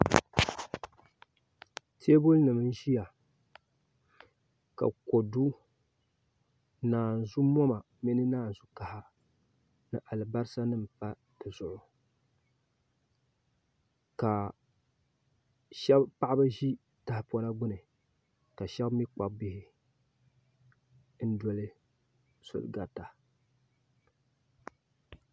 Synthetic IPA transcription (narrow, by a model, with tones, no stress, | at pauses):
tʰe˦bo˦lnɨ˨mɨ˦n˦ʒi˦ja˨ | ka̰˨ko˨du˦ | naː˨n˨zu˦mɔ˦ma˨ | mɛ˦nɨ˦naː˦˨n̩˨zu˦ka˨ha˦ | nɨ˨ʔa˨lɨ˨ba˦ɾɨ˦sa˦nɨ˦mpa˦ | d̥ɨ˨zʊ˨ʔʊ˨ | ka˨ | ʃɛ˦bpa˦ʔa˦ba˦ʒi˦ | ta˦hɪ˨pɔ˦la˦ɡʊ˦nɨ˨ | ka˨ʃɛ˦bmi˦k͡pa˨bɪ˦hɪ˦ | n̩˦dɔ˨lɨ˦ | so̰˨lɡa˨ta˨